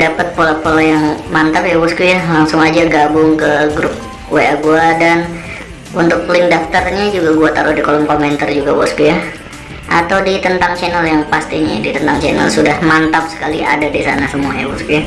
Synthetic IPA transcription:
dapət̪̚polapolajaŋmant̪apjawɔskujalaŋsʊŋad͡ʒaɡabʊŋkəɡɾʊp̚ | weaɡuadan | unt̪ʊk̚pəlɪŋdaft̪arɲad͡ʒuɡaɡuat̪aɾʊhdikolɔmkomɛnt̪ərd͡ʒuɡawɔskuja | ʔa̰t̪awdit̪ənt̪aŋt͡ʃɛnəljaŋpast̪iɲadit̪ənt̪aŋt͡ʃɛnalsudahmant̪ap̚sə̥kaliʔa̰dadisa̰nasəmuaja̰wṵskuja

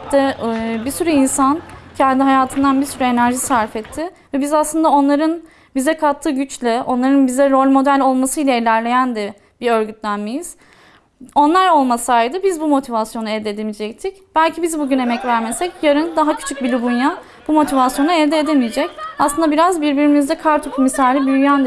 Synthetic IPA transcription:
d̪ɛbiɾsyɾyinsancʰɛnd̪iɦajaːt̪ʰɯnd̪anbiɾsyɾye̞næɾʒisaɾfɛt̪ʰːɪ | vɛbizaslˠɯnd̪ao̞nlˠaɾɯn | bizɛkʰat̪ʰːɯːɟyt͡ʃlʲɛʔo̞nlˠaɾɯnbizɛɾo̞lʲmo̞d̪ælʲo̞lˠmasɯjlʲailʲæɾlʲe̞jænd̪ɛ | b̥iɾø̞ɾɟyt̪ʰlʲænmejiz̥ | o̞nlˠaɾo̞lˠmasaːjd̪ɯbizbumo̞t̪ʰivasjo̞nuɛld̪eːd̪emid͡ʒɛc̚t̪ʰicb̥ælʲcʰibizbuɟyne̞mɛcvæɾmesɛcjaɾɯnd̪aɦacʰy̥t͡ʃʰyc̚bilʲibunja | b̥umo̞t̪ʰivasjo̞nuɛvd̪eed̪emijed͡ʒɛcaslˠɯnd̪abiɾazbiɾbiɾimizd̪ɛkʰaɾt̪ʰupʰumisaːlʲibyjyjænd̪

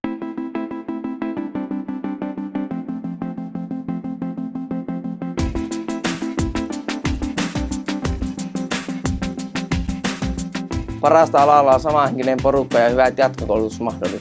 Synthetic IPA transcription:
pɑɾrɑst̪ɑɑlɑlːɑːnsɑmɑhekinempoɾukːɑjɑhyʋæt̪jɑt̪kokowlut̪usmɑhdolːi

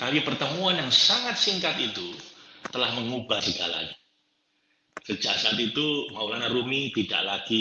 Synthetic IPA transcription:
t̪apipərt̪əmuanjaŋsaŋat̪̚siŋkat̪it̪ut̪əlahməŋubahsəɡa̰la̰ɲa | səd͡ʒaksaat̪it̪umaulanrumit̪ida̰ʔlaɡ̥i

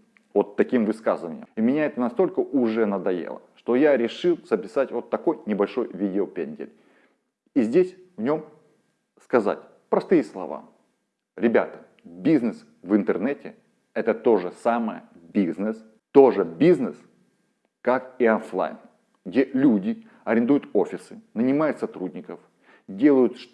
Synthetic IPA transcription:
vo̞t̪ːɐkʲimvɨskazɨvənʲɪjəmimʲɪnʲaɛt̪ənɐst̪o̞lʲkəʔʊʐɛnəd̪ɐjḛlˠə̰ʂt̪o̞jaɾʲɪʂɨlˠz̥əpʲɪsatʲvo̞t̪ːɐko̞jnʲɪbɐlʲʂo̞jvʲidʲɪopʲenʲdʲɪ̰lʲ | izʲdʲesʲ | vnʲo̞m | skɐza̰tʲ | pɾɐst̪ɨjəslˠɐ̰va̰ | ɾʲɪbʲa̰t̪ə̥ | bʲiznɨs | vɨnt̪ɨrnɛtʲɪ | ɛt̪ət̪o̞ʐɨsaməjə̰ | bʲiznəs | t̪o̞ʐɨbʲiznəs | kakiɐnflˠa̰jn | ɡdʲelʲudʲɪ | ɐɾʲɪnd̪ujʊt̪o̞fʲɪsɨnənʲɪmajʊt̪sɐt̪ɾudʲnʲɪkəf | dʲe̞lˠəjʊt̪ʂ

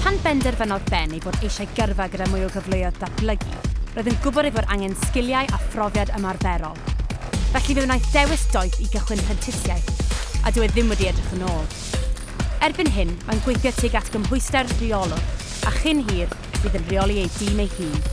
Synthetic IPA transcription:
pʰanbɛndɛrvənɔðbɛnejboːdejʃajɡərvaɡədamʊjɔɡəvlˠʊjɔðdablˠəɡḭroːðənɡʊbɔɾejboːdʔaŋɛnskɪlˠjajʔafrɔvjadəmarvɛɾɔ̰lˠvɛɬivɪðnajθd̥ɛwɪsd̥ɔɨθiɡəχwɪnpʰɛntʰɪθjajθadɪwɛðɪmwɛdiɛdrəχənoːlˠ | ɛrbɨnɦɪnmanɡwejθjɔtʰiɡatʰɡ̥əmɦʊɨstɛrriɔlˠɔd | aχɨnɦiːr | b̥iːðənriɔlˠiejdiːmejhiːn

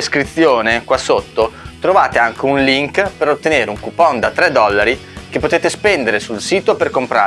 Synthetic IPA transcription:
eskɾit̪sːjoːnekwasot̪ːot̪ɾovaːt̪eaŋk̟eunliŋkpeɾot̪ːeneːɾeuŋkupɔnd̪at̪ɾɛd̪ːɔlːaɾik̟epːot̪eːt̪espɛnd̪eɾesulsiːt̪operkompɾa̰ː

